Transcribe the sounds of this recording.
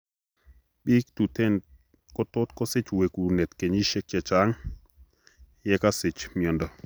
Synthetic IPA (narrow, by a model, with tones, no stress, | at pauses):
ɓi˦kt̪u˨tɛ˦˨n | kɔ˦t̪o˦t̪kɔ˦sɪ˦t͡ʃwe˨ku˨nɛ˨t̪ke˨ɲi˦ʃɛ˦kjɛ˨t͡ʃa˨˦ŋ | jɛ˦ka˦sɪ˨t͡ʃmjɔ˨ndɔ˨